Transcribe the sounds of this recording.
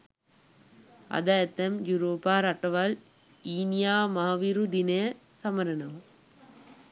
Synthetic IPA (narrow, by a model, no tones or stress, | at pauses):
ɐ̰d̪aːjɐt̪ːɐmjuɾoːpaːɾɐʈːɐʋal | iːnijaːmaɦʋiɾud̪inɐ | sɐmɐɾɐnɐʋ